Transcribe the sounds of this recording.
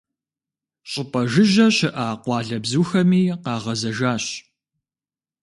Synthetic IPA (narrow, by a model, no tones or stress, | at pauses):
ɕʼɪpʼɐʒɪʒɐɕɪʔaːqʷɑːɮɐbzuːxɐmiːqɑːʁɐzɐʒaːɕ